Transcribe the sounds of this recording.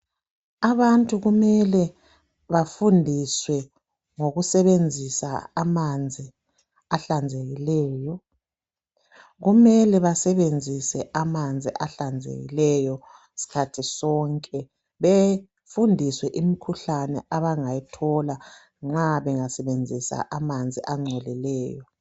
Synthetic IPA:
aβantʼuɣumɛlɛ | βafundʱiswɛ | ŋoɣusɛβend͡zʱisa̰amand͡zʱi | aɬand͡zʱeɣilɛːjɔ | ɣumɛlɛβasɛβend͡zʱisɛʔamand͡zʱiʔaɬand͡zʱḛɣḭlɛjɔ | si̥kʰatʰisɔŋkʼɛ | βe | fundʱiswɛʔimikʰuɬanɛ̰ʔaβaŋajitʰɔla | ŋ͡ǁaβɛŋasɛβend͡zʱisa̰ʔamand͡zʱiʔaŋ͡ǀʱɛlilɛːjɔ

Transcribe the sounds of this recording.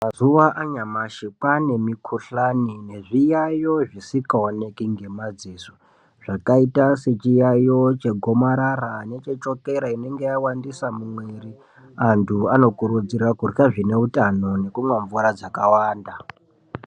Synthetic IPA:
mazuʋaʔaɲamaʃikane̞mikʰuɬanine̞ʐijajoʐisikaone̞kiŋɡe̞mad͡ziːso̥ | ʐ̥akaitase̞t͡ʃijajot͡ʃe̞ɡʱo̞maɾaɾane̞t͡ʃet͡ʃo̞ke̞ɾaine̞ŋɡe̞jawandisamumweri | antʰuano̞kuɾud͡zirakurkaʐine̞utʼano̞ne̞kumweɱvuɾad͡zakawaːnda

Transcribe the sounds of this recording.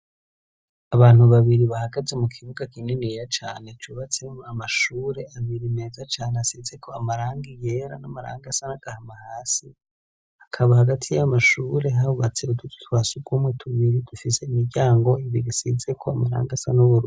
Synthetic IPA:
aβaːnuβaβiɾiβahaɡaze̞mukʰiβuɡakinenijat͡ʃaːne̞t͡ʃuːβat͡se̞mamaʃuːɾe̞aβiɾimeːzat͡ʃaːneasize̞kʰo̞amaɾaːŋɡije̞ɾa̰namaɾa̰ːŋɡasanaɡ̥ahamahaːsi | hakʰaβahaɡatʰijamaʃuɾe̞ɦaβuβat͡se̞udutu̥twasuɡɡwomwetʰuβiɾid̥ufise̞imiɾɟaːŋɡo̞iβiɾisize̞kʰoamaɾa̰ːŋɡasanoβuɾu

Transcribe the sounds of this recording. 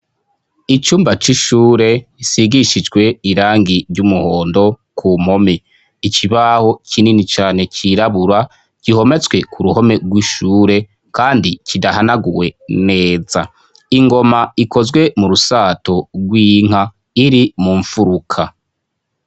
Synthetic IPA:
it͡ʃuːmbat͡ʃiʃuːɾe̞siɡiʃid͡ʒɡwe̞iɾaːŋɡiɾɟumuhoːndo̞ | kʰumo̞mi | icʰiβaho̞cʰininit͡ʃaːne̞cʰiɾaβuɾa | ɟ̥iho̞me̞t͡swe̞kʰuɾuho̞me̞ɡwiʃuːɾe̞ | kaːndicʰidaɦanaɡuwe̞ne̞ːza | iŋɡo̞maikʰo̞zɡwe̞muɾusaːtoɡwiːŋ̥a | iɾimuɱfuɾukʰa

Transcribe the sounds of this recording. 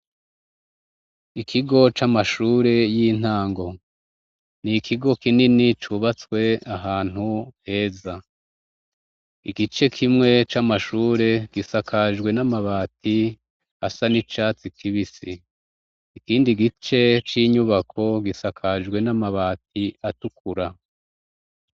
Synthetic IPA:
ikʰiɡo̞t͡ʃamaʃuːɾe̞jin̥haːŋɡo̞ | nikʰiɡo̞kininit͡ʃuβat͡swe̞aɦaːn̥huhe̞ːza | iɡit͡ʃe̞kʰimŋe̞t͡ʃamaʃuːɾe̞ɡisakʰaʒɡwe̞namaβaːtʰi | asanit͡ʃaːt͡sikʰiβisi | ikiːndiɡit͡ʃe̞t͡ʃiːɲuβakʰo̞ɡisakʰaʒɡwe̞namaβaːt̚iatukuɾa

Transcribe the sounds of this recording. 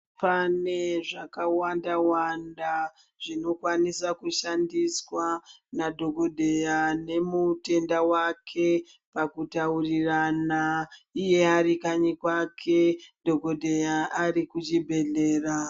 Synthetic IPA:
pane̞ʐakawandawanda | ʐino̞kwanisakuʃandiswanadʱo̞ɡʱo̞dʱe̞jane̞mute̞ndawakʰe̞ | pakutauriranaije̞aɾikaɲikwakʰe̞dʱo̞ɡo̞dʱejaaɾikut͡ʃibʱe̞ɮe̞ːra

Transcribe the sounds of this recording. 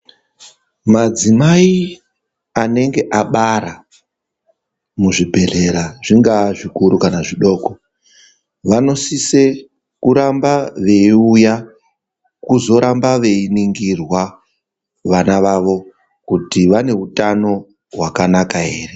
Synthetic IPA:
mad͡zimai | ane̞ŋɡe̞ʔaɓaɾa | muʐibʱe̞ɮe̞ɾaʐiŋɡaʐikuɾukanaʐiɗo̞ːko | ʋano̞sise̞ | kuɾambaʋe̞iuja | kuzo̞ɾambaʋe̞iniŋɡirwa | ʋanaʋaʋo̞ | kutiʋane̞utano̞ | ɦwakanakaɦe̞ːre̞

